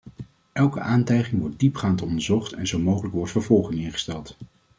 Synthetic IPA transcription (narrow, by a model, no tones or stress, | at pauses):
ʔɛlˠkəʔaːntɛjχɪŋʋɔɹt̚dipχaːntɔndəɹzɔχtɛ̰nzowmowχələkʋɔɹtfəɹvɔlˠχɪŋɪnχə̥stɛlˠt